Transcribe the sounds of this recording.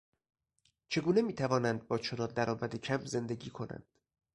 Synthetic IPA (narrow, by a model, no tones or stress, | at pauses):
t͡ʃʰe̞ɡuːne̞miːt̪ʰævɒːnænd̪̚bɒːt͡ʃʰonɒːd̪æɾɒːmæd̪ecʰæmze̞nd̪e̞ɡiːkʰo̞næ̰nd̪̥